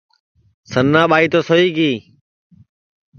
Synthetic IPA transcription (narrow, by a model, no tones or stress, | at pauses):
sənːãːɓaːiːt̪oːsoiːɡiː